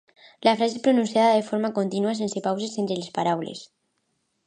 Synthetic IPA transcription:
lafɾasespɾonũnsjaðaðefoɾmakont̪inuas̬ensepawsesent̪ɾelespaɾawlḛs

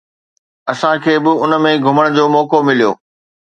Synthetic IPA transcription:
ɐsãkʰeːbɪʊnəmẽɡʱʊməɽ̃ʊd͡ʑoːmɔːkomɪlijo̰ː

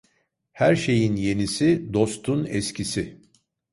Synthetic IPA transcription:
hæɾʃe̞jinje̞nisid̪o̞st̪ʰunɛscʰisɪ

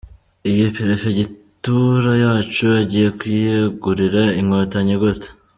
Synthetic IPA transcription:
ijipeɾefe̞ɟituɾajaːt͡ʃuaɟiːje̞kwijeɡuɾiɾaiŋŋotaɲeɡotḁ

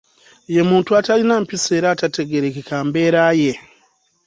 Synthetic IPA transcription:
je̞muːntuatalinampise̞ːɾaːtate̞ɡe̞ɾekikaːmbe̞ːɾaːje̞

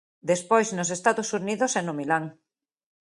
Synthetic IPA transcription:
d̪espojznosest̪aðosuniðosenomilaŋ

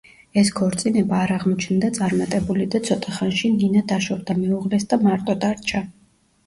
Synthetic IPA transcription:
ɛskʰɔɾt̪sʼinɛbaːɾaʁmɔt͡ʃʰnd̪at̪sʼaɾmat̪ʼɛbulid̪at̪sʰɔt̪ʼaχanʃininad̪aʃɔvd̪amɛuʁlɛsd̪amaɾt̪ʼɔd̪aɾt͡ʃʰa

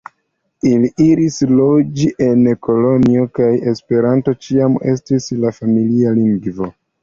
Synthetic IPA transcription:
iliʔiɾislo̞d͡ʒiʔe̞neko̞loniokaje̞spe̞ɾanto̞t͡ʃiame̞̰stislafamilialiŋɡvo̞

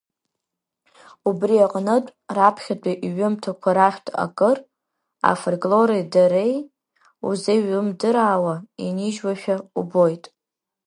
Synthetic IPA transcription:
ubriaqʼnɨtʷʼrapʰχʲatʷʼaʔɥʊmtʰakʷʰaɾaχʲʷᶣtʰʼa̰kʼɨr | a̰forɡʼlo̞ɾejdaɾej | ṵzeɥɨmdɨɾaːwainiʒwaʃᶣaubojtʼ

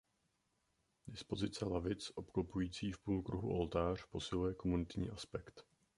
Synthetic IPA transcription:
dɪspo̞zɪt͡sɛlavɪt͡sʔo̞pklopujiːt͡siːfpuːlkɾuɦṵʔo̞lt̪aːr̝̥po̞sɪlujɛko̞munɪt̪ɲḭːʔaspɛkt̪

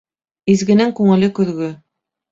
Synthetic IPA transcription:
izɡɘ̆nɘŋkʉŋɘ̆lɘkʉðɡɵ

